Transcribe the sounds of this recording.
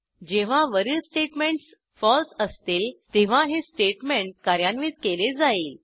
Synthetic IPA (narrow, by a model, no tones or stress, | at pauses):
d͡ʑeʋ̤aʋəɾilsʈeʈmeɳʈs | fɔlsəst̪eːlt̪eʋ̤aɦesʈeʈmeɳʈ̚kaɾjanʋiːt̪̚keled͡zaiːl